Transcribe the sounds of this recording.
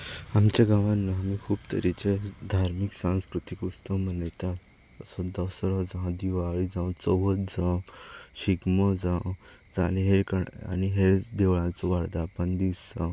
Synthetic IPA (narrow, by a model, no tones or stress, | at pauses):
amt͡ɕaɡaʋãnːaamikʰuːbt̪əɾit͡ɕed̪ʱaɾmiksãw̃skɾut̪ikust̪ɔmənet̪at̪ | əsɔ̃d̪ɔsɾɔd͡zəɦãd̪iʋaɭid͡zãw̃t͡sɔʋət̪d͡zãwɕiɡmɔd͡zãwd͡zaleɦeɾkəa̰niɦeɾd̪eʋɭãt͡sɔʋaɽd̪aːpəɳd̪iwsa